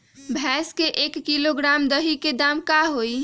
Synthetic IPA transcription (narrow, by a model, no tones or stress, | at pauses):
bʱɛskeʔekːiloɡɾamd̪əɦiked̪amkaɦoj